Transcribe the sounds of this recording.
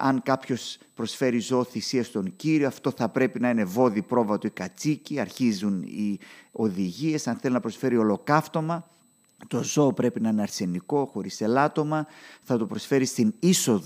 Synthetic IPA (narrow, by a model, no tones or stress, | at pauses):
ɐŋkɐpço̞spɾo̞sfe̞ɾizooθisiɐst̪o̞ɲciɾio̞ɐft̪o̞θɐpɾe̞pinɐine̞vo̞ðipɾo̞vɐt̪oikɐt͡siciɐɾçizunḭo̞ðiʝie̞sɐnθe̞linɐpɾo̞sfe̞ɾio̞lo̞kɐft̪o̞mɐ | t̪o̞zo̞ːpɾe̞pinɐineɐɾse̞niko̞xo̞ɾise̞lɐt̪o̞mɐθɐt̪opɾo̞sfe̞ɾist̪iniso̞ð